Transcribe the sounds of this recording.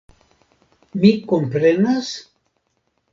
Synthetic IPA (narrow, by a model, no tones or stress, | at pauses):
mikompɾenas